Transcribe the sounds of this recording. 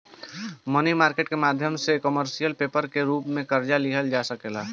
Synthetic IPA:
mənimaːɾkeːʈkemaːd̪ʱjəmsekəməɾsijəlpeːpəɾkeɾuːpmẽkəɾd͡ʒaliɦəld͡ʒasəkeːla

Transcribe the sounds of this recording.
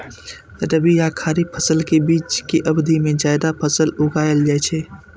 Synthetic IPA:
ɾəbijakʰaːɾipʰəsəlkebiːt͡ʃkiʔɐbd̪imẽd͡ʒaːɪd̪apʰəsəlʊɡaːjəld͡ʒaːjt͡ʃʰeː

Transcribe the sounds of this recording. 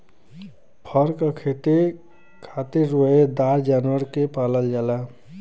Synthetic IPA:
pʰəɾkakʰet̪e | kʰat̪eɾːoed̪ad͡ʒaːnwəɾkepaːləld͡ʒaːla

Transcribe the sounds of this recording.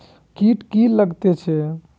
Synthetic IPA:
kiʈkiləɡt̪ɛt͡ʃʰɛ

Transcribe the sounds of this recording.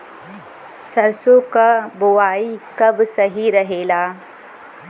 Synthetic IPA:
sɐɾsõkabʊʋaːikɐbsɐɦiɾɐɦeːlaː

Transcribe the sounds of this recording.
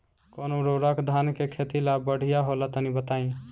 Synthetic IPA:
konoɾoɾəkd̪ʱankekʰet̪ilabəɽ̤ijaɦolat̪ənibət̪aĩ

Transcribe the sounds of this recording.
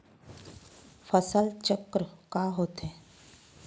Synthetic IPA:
fəsəlt͡ʃəkɾkaɦoːt̪ẽː

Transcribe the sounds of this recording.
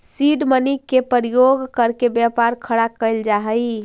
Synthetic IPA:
siɖmənikːepəɾijoɡkəɾkebjapaɾkʰəɽakəɪld͡ʒaɦəj

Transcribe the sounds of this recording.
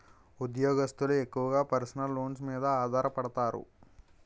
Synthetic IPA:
ud̪jɔːɡɐst̪ulue̞kːuʋɐɡaːpɐɾsɐnɐlːoːns̬miːd̪ɐaːd̪ʱaːɾɐpɐɽɐt̪aːɾṵ

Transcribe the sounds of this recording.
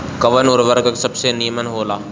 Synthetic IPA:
kɐʋənɔːɾʋəɾɡəksɐbsenijəmənɦoːlaː

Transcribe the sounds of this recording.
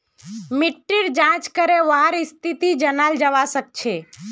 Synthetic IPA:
mɪʈːiɾd͡ʒãt͡ʃkəɾeʋaɦaɾɪst̪ʰit̪id͡ʒənald͡ʒəʋasək̚t͡ʃʰe

